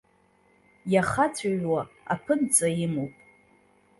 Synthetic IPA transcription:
jaχat͡sʷʰaɥwaa̰pʰɨnt͡sʼajɪmowpʼ

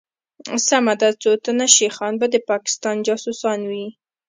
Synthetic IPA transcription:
samad̪at͡sot̪ənaʃexɑnbad̪əpɑkɪ̥st̪ɑnd͡ʒɑsusɑnwi

